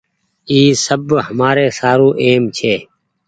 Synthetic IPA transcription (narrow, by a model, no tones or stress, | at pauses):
iːsəbhəmaːɾeːsaːɾũːʔeːmt͡ʃʰeː